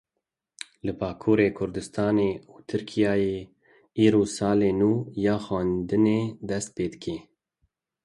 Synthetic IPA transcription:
lɨbɑːkʰuːɾeːkʰʊɾd̪ɨst̪ɑːneːuːt̪ʰɨɾkʰijɑːjeː | iːɾoːsɑːleːnuːjɑːxɑːnd̪ɨneːd̪ɛst̪̚peːd̪ɨkʰeː

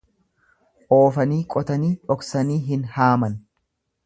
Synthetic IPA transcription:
ʔoːfɐniːkʼɔt̪ɐniːᶑɔksɐniːɦɪnhaːmɐn

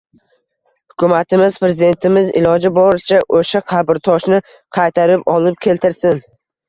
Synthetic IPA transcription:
hʊ̥kʲʰʊmat̪ʰɪmɪz̥pɾe̞zɪd̪e̞nt̪ʰɪmɪzɪ̰lɒd͡ʒɪbɒɾɪt͡ʃʰaʔoʃaqʰɑbɪɾt̪ʰɒʃnɪ | qʰɑjt̪ʰaɾɪpɒlˠɪp̚kʲʰe̞lt̪ʰɪɾsɪn

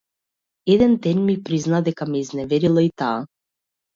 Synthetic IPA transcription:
ɛd̪ɛnd̪ɛnmipɾiznad̪ɛkamɛiznɛvɛɾilˠait̪aː

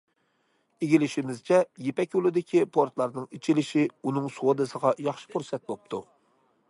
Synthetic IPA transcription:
eɡʲilɪʃimɪzt͡ʃʰɛjepɛkʲolˠɪd̪ɪkʲʰipʰoɾt̪lˠɑɾnɨŋet͡ʃʰilɪʃiunɨŋsuwod̪ɨsəʁɑjɑχʃɪ̥kuɾsɛt̪̚bop̚t̪ʰu

